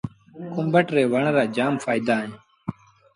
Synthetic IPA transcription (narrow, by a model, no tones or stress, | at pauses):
kʊmbəʈɾeːʋəɳɾaːd͡ʒaːmfaːɪd̪aːẽː